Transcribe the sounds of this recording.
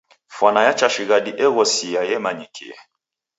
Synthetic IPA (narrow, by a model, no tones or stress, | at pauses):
fwanajat͡ʃaʃiɣaɗiʔɛɣɔsiajɛmaɲikʰḭɛ̰